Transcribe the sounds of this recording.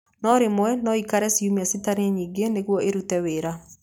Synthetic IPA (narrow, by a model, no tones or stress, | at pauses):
nɔɾemwɛnɔikaɾɛsiumiasitaɾeɲiːɡeneɣwɔeɾutɛweɾa